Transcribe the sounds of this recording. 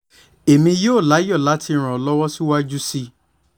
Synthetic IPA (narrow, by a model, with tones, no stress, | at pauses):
e˨mĩ˧joː˦˨la˨˦jɔ˦˨la˨˦ti˧˦˧ɾ̃ɔ̃˨lɔ˦wɔ˦si˦wa˦d͡ʒu˦si˧